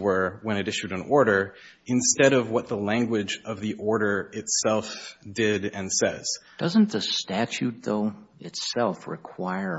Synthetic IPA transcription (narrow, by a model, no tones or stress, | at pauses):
wə˞wɨ̃ñɨɾɪʃʉɾɨ̃nɔɹɾə˞ | ɨ̃nstɛɾʌvwʌt̪̚ðəlæ̃ŋɡwɪd͡ʒʌvðiʔɔɹɾə˞ɪtsɛlˠfd̥ɪɾɨ̃nsɛ̰z̥d̥ʌzə̃n̩ðɨstæt͡ʃʉt̪̚ðoʊɨtsɛlˠfɹɪ̰kʰw̥aɪə˞